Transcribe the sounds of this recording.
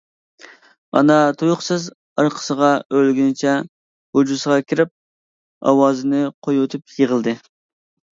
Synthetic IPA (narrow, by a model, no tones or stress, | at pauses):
ɑ̰nɑt̪ʰujʊχsɨz | ɑɾqʰə̥səʁɑølɡʲynɪt͡ʃʰɛ | hud͡ʒusəʁɑkʲʰiɾɪp̚ | ɑ̰wɑːzɨnɪqʰojwot̪ʰup̚jəʁəlˠd̪ɨ